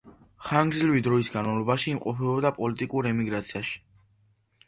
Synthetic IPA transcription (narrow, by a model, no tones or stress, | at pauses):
χaŋɡzlivid̪ɾɔisɡanmavlˠɔbaʃiːmqʼɔpʰɛɔbd̪apʼɔlit̪ʼikʼuɾɛmiɡɾat̪sʰiaʃi̥